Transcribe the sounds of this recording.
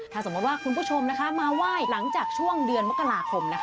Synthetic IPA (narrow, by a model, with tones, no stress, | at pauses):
t̪ʰaː˥˩so˩˦mu˦˥t̪waː˥˩kʰu˧npʰu˥˩t͡ɕʰo˧mna˦˥kʰa˦˥maː˧waː˥˩jla˩˦ŋt͡ɕaː˨˩k̚t͡ɕʰu˥˩əŋdɯ˧ənmo˦˥kːa˧laː˧kʰo˧mna˦˥kʰ